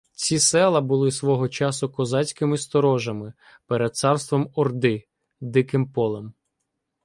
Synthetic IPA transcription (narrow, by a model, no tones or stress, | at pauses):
t͡sʲisɛlˠɐbʊlˠɪsʋɔɦɔt͡ʃɑsʊkɔzɑt͡sʲkɪmɪst̪ɔɾɔʒɐmɪ | peɾed̪̚t̪sɑrst̪ʋɔmɔrd̪ɪ | d̪ɪkɪmpɔlˠɛm